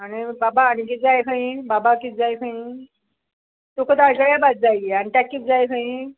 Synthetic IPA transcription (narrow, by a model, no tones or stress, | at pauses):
aɽ̃ibabaːɽ̃ik̬it̪̚d͡zajkʰãĩbabakit̪̚d͡zajkʰãĩ | t̪okət̪aɭkəɭjabat̪̚d͡zajaɽ̃it̪akːit̪̚d͡zajkʰãĩ